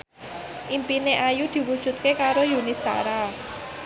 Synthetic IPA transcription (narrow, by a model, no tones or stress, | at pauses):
ʔimpineʔajud̪̥i̤wud̥ʒ̥ṳt̪̚kekaɾojunisa̰ɾa